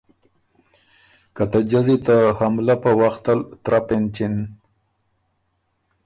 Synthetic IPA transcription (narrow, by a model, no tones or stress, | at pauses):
kat̪ad͡ʒazit̪ahamlapəwaxt̪alt̪ɾapent͡ʃɪn